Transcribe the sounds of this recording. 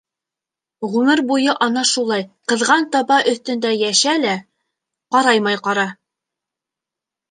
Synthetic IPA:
ʁʉmɘɾbujɤʔɑnɑʃulˠɑjqɤ̆ðʁɑnt̪ɑbɑʔɵ̆θt̪ɵ̆nd̪æjæʃælæ | qɑɾɑjmɑjqɑɾɑ

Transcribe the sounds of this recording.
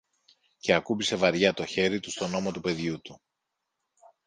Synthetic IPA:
ce̞ɐkupise̞vɐɾʝɐt̪o̞çe̞ɾit̪ust̪o̞no̞mot̪upe̞ðʝut̪u

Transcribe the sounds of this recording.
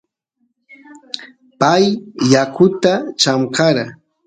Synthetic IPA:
pajːakʊt̪at͡ʃamkɑɾa

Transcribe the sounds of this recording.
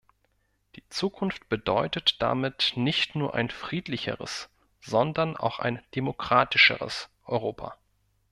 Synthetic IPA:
d̥iːt͡suːkʰʊnft̚b̥ədɔʏtətd̥a̰mɪtnɪçtnuːɐʔa̰ɪnfʁ̥iːtlɪçə̰ʁə̰s | z̥ɔndɐna̰ʊxa̰ɪnd̥emokʁ̥aːtɪʃə̰ʁə̰sʔɔʏʁoːpʰa̰

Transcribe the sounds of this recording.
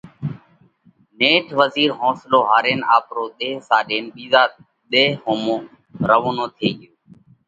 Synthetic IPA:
neːʈʰʋəziːɾɦõːsloːɦaːɾeːnaːpɾoːɗ̪eːsaːɗeːnɓiːzaː | ɗ̪eːhoːmõː | ɾəʋoːnõːt̪ʰeːɡɪjoː

